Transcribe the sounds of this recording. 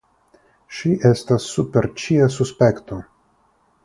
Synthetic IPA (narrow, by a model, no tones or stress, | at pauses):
ʃiʔest̪asːupeɾt͡ʃiasuspekt̪o